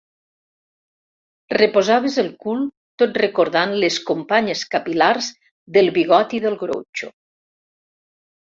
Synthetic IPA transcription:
repozaβ̞ezelˠkulˠ | t̪ot̪rekoɾðanleskompaɲeskapilaɾz | ðəlˠβiɣɔt̪iðəlˠɣɾo̰t͡ʃo̰

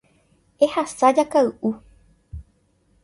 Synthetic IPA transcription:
e̞hasad͡ʒakaɨʔu

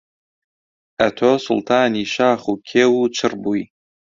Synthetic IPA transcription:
ɐtʰosʊ̰ltʰaːniʃaːχukʲʰeːwut͡ʃʰɨrbuj

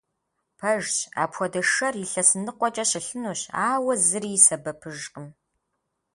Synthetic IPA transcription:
pʰɐʒɕa̰ːpʰxʷɔdɐʂɐrjɪɬɐsɨnɨqʷɔt͡ʃʼɐɕɪɬɨnuːɕaːwɐzɨɾiːsɐbɐpʰɨʒqəm

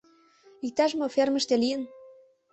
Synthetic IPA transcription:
ik̚t̪ɑʒmofermə̆ʃt̪elijən

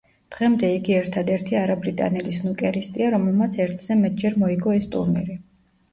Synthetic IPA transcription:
d̪̥ʁɛmd̪ɛiɡiɛɾt̪ʰad̪ɛɾt̪ʰiaɾabɾit̪ʼa̰nɛlisnukʼɛɾist̪ʼiaɾɔmɛlmat̪sʰɛɾt̪ʰz̥ɛmɛt̪̚ʰd͡ʒɛɾmɔiɡɔɛst̪ʼṵɾnḭɾi

